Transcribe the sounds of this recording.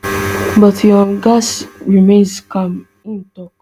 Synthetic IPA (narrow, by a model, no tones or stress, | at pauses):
bʌtʰjɔɡasɹimẽnskãm | ĩntɔk